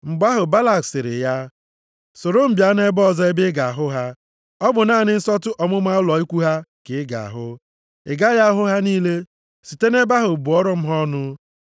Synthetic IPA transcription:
ŋ͡m̩˨ɡ͡ba˦ɦʊ˨ba˦la˨ksɪ˨ɾɪ̰˨ja˦ | sʊ˨ɾo˦m̩˨bja˦ne˦bɔ˦zɔ˦e˦bɪ˦ɡa˨a˨ɦʊ˦ɦa˦ | ɔ˦bʊ˨naː˦˨nɪ˦n̩˦sɔ˦tʊ˦ʔɔ˨mʊ˦ma˦ʊ˦lɔ˨i˦kʷu˦ɦa˦kɪ˨˦ɡa̰˨a̰˨ɦʊ˦ | ɪ˨ɡa˦ja˦ɦʊ˦ɦa˦niː˦le˦ | si˨te˦ne˦ba˦ɦʊ˨bʊ˨ɔ˦ɾɔ˦m̩˦ɦɔ˦nʊ˦

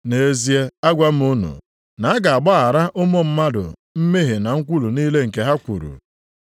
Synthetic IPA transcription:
ne˨e˨˦zi˦e˦a˦ɡʷa˦m̩˦u˦nṵ˨ | na˨a˦ɡa˨a˨ɡ͡ba˦ɦa˨ɾa˦ʔʊ˦mo˦m̩˦ma˦dʊ̰˨m̩˦me˦ɦe˨na˨ŋ̩˦kʷu˦lu˨niː˦le˦ŋ̩˨ke˨ɦa˦kʷṵ˨ɾṵ˨

